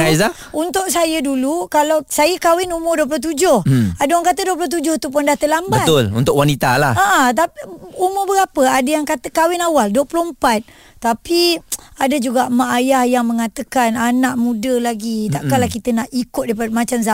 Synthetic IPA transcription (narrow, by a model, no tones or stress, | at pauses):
ajza | unt̪ʊʔsajədulukalawsajəkawɪnumʊrduəp̬loht̪̬ud͡ʒʊhadəjaŋkat̪əduəp̬loht̪̬ud͡ʒʊht̪up̬ondaht̪əlambəaʊlṵnt̪ʊkwanit̪alahaʔt̪apumʊbəɡapəadəjaŋkat̪əkawɪnawalduwəpuloəmpat̪̚ː | apiadəd͡ʒuɡaʔmaʔajahjaŋməŋat̪əkananaʔmũdəlaɡit̪aʔkalahkit̪ənaʔikʊt̪̚dajpadəmat͡ʃamsa